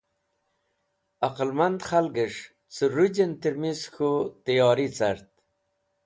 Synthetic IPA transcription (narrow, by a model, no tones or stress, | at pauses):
ɐqəlmand̪χalɡəʂ | t͡səɾud͡ʑent̪iɾmiskʰut̪ijɑːɾit͡sɐɾt̪̚